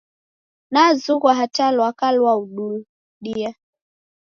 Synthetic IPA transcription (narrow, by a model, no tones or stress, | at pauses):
nazuɣwaɦatalwakalwauɗu | ɗia